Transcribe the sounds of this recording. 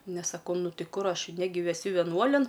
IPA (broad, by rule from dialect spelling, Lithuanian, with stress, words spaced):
ˈnʲɛs sɐˈkɐʊ ˈnʊ ˈtʲɪ ˈkʊr ˈɐʃ ˈnʲæːɡʲɪ ʋʲɛˈsʲʊ ʋʲɛˈnuɔlʲɪn